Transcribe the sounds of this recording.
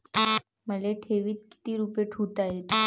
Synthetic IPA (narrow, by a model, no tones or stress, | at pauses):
məleʈʰeʋiːt̪ki̥t̪iːɾupeʈʰut̪aɦet̪